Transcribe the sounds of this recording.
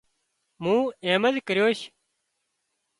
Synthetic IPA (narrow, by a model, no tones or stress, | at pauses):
mũːẽːməzkəɾjoːʃ